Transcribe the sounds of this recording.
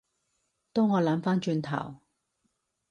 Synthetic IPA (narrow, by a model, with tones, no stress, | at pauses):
t̪o˥wŋɔː˨˧lɐ˨˥mfaː˥nt͡ʃyː˧nt̪ʰɐ̰˨˩w